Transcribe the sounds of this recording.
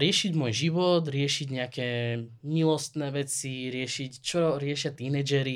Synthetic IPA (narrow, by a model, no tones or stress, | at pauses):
ɾɪɛʃiɟmʊɔjʒiʋɔd̪ɾɪɛʃiɟɲɛakɛːmilɔst̪nɛːʋɛt͡siɾɪɛʃict͡ʃɔɾɪɛʃɪat̪inɛd͡ʒɛɾi